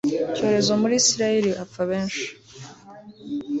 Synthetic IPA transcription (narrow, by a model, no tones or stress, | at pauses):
co̞ːɾe̞zo̞muɾiːsiɾajeɾiʔafaβe̞ːnʃi̥